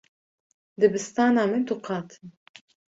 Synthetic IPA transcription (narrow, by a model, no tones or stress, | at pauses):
d̪ɨbɨst̪ɑːnɑːmɨnt̪uqɑːt̪ʰɨn